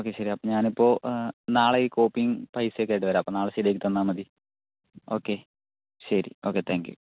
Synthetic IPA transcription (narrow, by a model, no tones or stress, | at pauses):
oːkːeɕɐɾiɐpːoɲaːnipːoːnaːɭiːkoːpːiŋpɐjsekːɐːjʈːɨʋɐɾaːɐpːoːnaːɭesid̪eːkːit̪ɐnːaːmɐd̪i | oːkːe | ɕɐɾḭo̰ːkːet̪ʰaːŋkjṵ